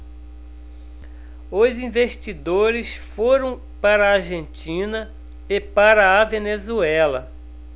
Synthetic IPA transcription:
ozĩveʃt͡ʃid̪oɾɪsfoɾɐ̃w̃ | paɾɐaɾʒẽnt͡ʃĩnɐ | epaɾɐːvenezuɛlɐ

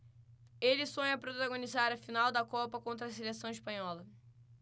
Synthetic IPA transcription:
elɪsõɲɐpɾot̪aɡõnizaɾɐfinawd̪ɐkɔpɐkõnt̪̬ɾɐselesɐ̃w̃iʃpɐ̃ɲɔlɐ

